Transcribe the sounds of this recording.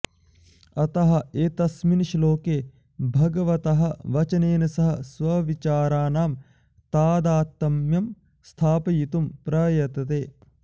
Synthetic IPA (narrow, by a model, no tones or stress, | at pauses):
ɐt̪ɐɦɐ̆eːt̪ɐsminʃloːkeː | bʱɐɡɐʋɐt̪ɐɦɐʋɐt͡ʃɐneːnɐsɐɦɐsʋɐʋit͡ʃaːɾaːnaːm | t̪aːd̪aːt̪ːɐmjɐm | st̪ʰaːpɐjit̪umpɾɐjɐt̪ɐt̪eː